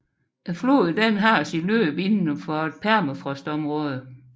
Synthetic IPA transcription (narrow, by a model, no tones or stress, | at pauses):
flo̝̰ːð̩ˠd̥enɦɑ̈sid̥lø̰ːb̥e̝nnəfɒed̥̚pʰæɐmæfʁɔsd̥ɒ̽mʁɔ̽ːð̞ˠə